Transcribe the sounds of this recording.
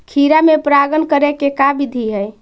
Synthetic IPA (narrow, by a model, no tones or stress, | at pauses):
kʰiɾamepɾaɡənkəɾekekabid̪ʱiɦəj